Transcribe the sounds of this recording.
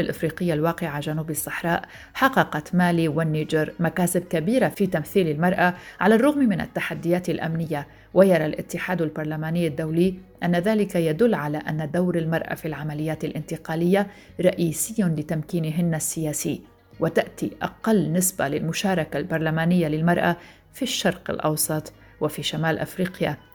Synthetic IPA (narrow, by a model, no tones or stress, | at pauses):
alʔɪfɾiːqɪjːalwaːqɪʕaʒanuːbɪsˤːɑħɾˤɑːʔ | ħɑqːɑqɑt̪maːliwanːid͡ʒɪɾmakaːsɪb̚kabiːɾafiːt̪amθiːlɪlmɑɾˤʔaʕalarˤːʊɣmmɪna̰t̪ːaħad̪ːɪjaːt̪ɪlʔa̰mnɪjːa | wʔajɑɾˤɑlʔɪ̰t̪ːɪħaːd̪albɑɾˤlamaːnɪːad̪ːawliːʔanːaðaːlɪkajad̪ʊlːʕalaʔanːad̪awɾɪlmɑɾˤʔa̰filʕamalɪjːaːt̪alʔɪnt̪ɪqɑːlɪjːa | ɾˤɑʔiːsɪjːanlɪt̪amkiːnɦɪnːasːɪjaːsiː | wat̪aʔt̪iʔɑ̰qɑlːnɪsbalɪlmʊʃaːɾˤɑkalbɑɾˤlamaːnɪjːalɪlmɑɾˤʔa | fiʃːɑɾˤqɪ̰lʔɑ̰wsˤɑt̪ˤ | wafiːʃamaːlʔa̰fɾiːqja